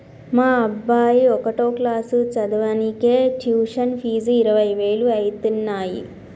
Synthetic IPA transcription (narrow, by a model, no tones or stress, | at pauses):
maːɐbːaːjiɔkɐʈoːklaːsut͡ʃɐd̪ɐʋɐnikeːʈjuːʂɐnpʰiːd͡ʒuiɾɐʋɐjʋe̞ːluɐjt̪unːaːjḭ